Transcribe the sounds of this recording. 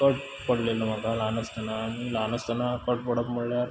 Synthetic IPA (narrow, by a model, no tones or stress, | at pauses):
kəʈ̚ | pəɽleləm̤akalanəst̪ənamilanəst̪ənakəʈ̚pəɽəpmuɭːjaɾ